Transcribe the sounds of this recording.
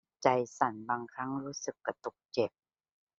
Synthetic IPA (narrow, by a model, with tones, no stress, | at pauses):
t͡ɕa˧jsa˨˩˦nbaː˧ŋkʰa˦˥ŋɾuː˦˥sɯ˨˩kːa˧t̪u˨˩k̚t͡ɕe˨˩p̚